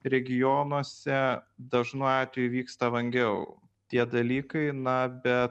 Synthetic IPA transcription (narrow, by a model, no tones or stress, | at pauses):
ɾʲɛɡʲɪjoːnuɔsʲɛd̪ɐʒnuɑːt̪ʲʋʲejʊʋʲiːkst̪ɐʋɐŋʲɡʲɛʊ | t̪ʲiɛd̪ɐlʲiːkɐɪnɐbʲɛt̪